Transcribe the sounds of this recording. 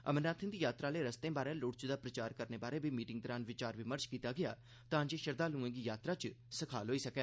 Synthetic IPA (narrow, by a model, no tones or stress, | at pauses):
ə̰mənãːt̪ʰɪ̃nd̪iːjaːt̪ɾaːleːɾəst̪ẽːbaːɾẽːlʊːʈt͡ʃd̪aːpɾət͡ʃaːɾkəɾneːbaːɾeːbiːmiːʈɪŋɡ̚d̪ɔɾaːnʋɪt͡ʃaːɾʋɪməɾt͡ʃkiːt̪aːɡɪja̰ː | t̪ãːɲd͡ʒeːʃəɾd̪aːlũːẽːɡiːjaːt̪ɾaːt͡ʃ | səkʰaːlɦoːiːsəkɛː